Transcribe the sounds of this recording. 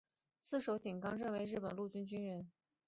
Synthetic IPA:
sɹ̩˥˩ʂo˧˥ʊt͡ɕi˨˩nkɑ˥ŋɻə˥˩nwe˧˥ɪɻ̩˥˩pə˨˩nlu˥˩t͡ɕy˥nt͡ɕy˥nɻə˥n

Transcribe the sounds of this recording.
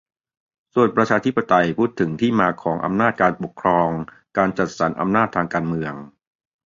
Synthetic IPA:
su˨˩ənpɾa˧t͡ɕʰaː˧t̪ʰi˦˥pːa˧t̪a˧jpʰuː˥˩t̪ʰːɯ˩˦ŋt̪ʰiː˥˩maː˧kʰɔː˩˦ŋʔa̰˧mnaː˥˩t̪̚kaː˧npo˨˩kʰɾɔː˧ŋ | kaː˧nt͡ɕa˨˩t̪̚sa˩˦nʔa̰˧mnaː˥˩t̪ʰːaː˧ŋkaː˧nmɯ˧əŋ

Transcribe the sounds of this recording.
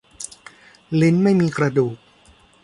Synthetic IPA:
le˦˥nma˥˩jmiː˧kɾa˧duː˨˩k̚

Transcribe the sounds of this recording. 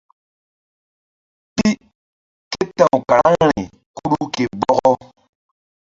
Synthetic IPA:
pi˦ | ke˦tã˨wka˨ɾa˦ŋɾḭ˨ | ku˦ɾu˦ke˨bɔ˦ɣɔ˦

